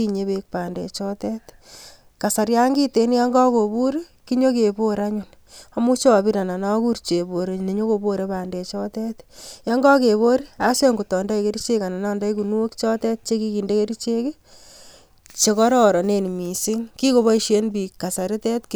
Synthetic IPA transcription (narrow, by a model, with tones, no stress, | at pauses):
i˦ɲe˦βe˦k̚pa˨ndḛ˨t͡ʃɔ˦tɛt̪ | ka˨sa˨ɾja˦ŋɡi˦te˦n˦ja˦ŋɡɔ˦ko˨bu˦ɾi˦ | ki˦ɲo˦ke˨bo˦ɾa˦ɲu˦n | a˨mu˦t͡ʃɔ˦˨bi˦ɾa˨na˨na˦ku˦ɾt͡ʃe˨bo˨ɾe˨ne˨ɲo˦ko˧bo˦ɾe˦paː˨nde˨t͡ʃɔ˦te˦t̪ja˦ŋɡɔ˦ke˨βo˦ɾi˦ase˦ŋɡu˨tɔ˨nda˦i˨ke˦ɾi˦t͡ʃe˦ka˨na˨na˦nda˦jku˨nu˦o˦kt͡ʃɔ˦tɛ˦t̚t͡ʃe˦ki˦ki˨nde˦ke˦ɾit͡ʃe˦ke˦ | t͡ʃe˦kɔ˦ɾɔ˦ɾɔ˨ne˨n˨mi˨sɪ˦ŋki˦ko˨βɔ˦i˦ʃe˦nbi˨kːa˨sa˨ɾɪ˦tɛ˦tk